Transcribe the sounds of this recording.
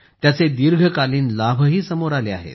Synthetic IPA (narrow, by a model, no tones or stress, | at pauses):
t̪jat͡sed̪iɾɡʱəkaliːnlabʱəɦiːsəmoɾajlea̰ɦḛt̪